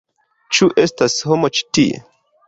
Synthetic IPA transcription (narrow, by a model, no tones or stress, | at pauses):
t͡ʃuʔestashomot͡ʃi̥tiḛ